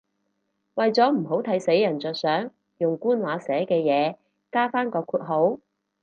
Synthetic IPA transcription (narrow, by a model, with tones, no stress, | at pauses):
wɐ˨jt͡sɔː˨˥m̩˨˩ɦo˨˥wt̪ʰɐ˨˥jse˨˥jːɐ˨˩nt͡sœː˨t̚sœː˨˥ŋ | jʊ˨ŋkuː˥nwaː˨˥sɛː˨˥kɛː˧jɛː˨˧ | kaː˥faː˥nkɔː˧kʰuː˧t̚ɦo˨˥w